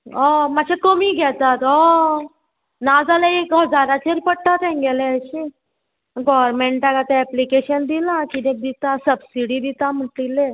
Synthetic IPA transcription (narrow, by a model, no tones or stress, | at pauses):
ɔmat͡ɕʰekəmiɡʱɛt̪at̪ɔ | nad͡zalẽekɦəd͡zaɾat͡ɕeɾpəɽʈ̪at̪ɛ̃ŋɡɛleəɕi | ɡɔʋəɾmeɳʈaɡat̪eɛplikeɕənd̪ilãkinek̚d̪it̪asəbsiɽiːd̪it̪aməʈlile